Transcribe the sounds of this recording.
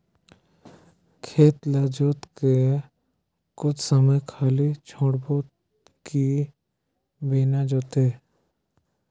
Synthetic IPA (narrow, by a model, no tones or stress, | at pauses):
kʰeːt̪laːd͡ʒoːt̪ke | kʊt͡ʃʰsəməjkʰaːlit͡ʃʰõːɽboːt̪ | ki | biːnad͡ʒoːt̪eː